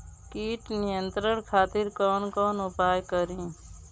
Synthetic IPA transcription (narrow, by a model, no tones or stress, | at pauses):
kiːʈnɪjə̃nt̪ɾənkʰaːt̪ɪɾkɔːnkɔːnʊpaːjkəɾĩː